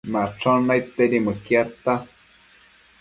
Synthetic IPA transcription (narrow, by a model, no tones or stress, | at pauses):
maʈ͡ʂonajt̪eɾiməkjat̪a